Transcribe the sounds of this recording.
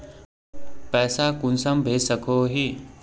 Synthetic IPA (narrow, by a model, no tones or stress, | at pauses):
pɛːsakunsəmbʱeːsəkʰoɦi